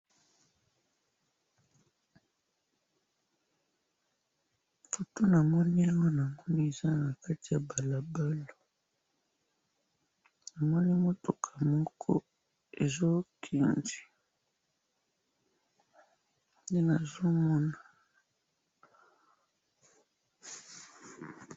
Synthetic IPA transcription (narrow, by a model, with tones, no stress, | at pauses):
fo˨to˦na˨mɔ˦ni˦ja˦ŋɡo˦na˨ŋɡo˦ni˦e˨za˦na˨ka˦ti˨ja˨ba˨la˨ba˦lo˨ | na˨mɔ˦ni˦mo˦tʰo˨kʰa˨mɔ˦kʰɔ̰˦ | e˨zo˦kʰe˨nd͡ʒi˨ | nde˦na˨zo˦mɔ˦na˨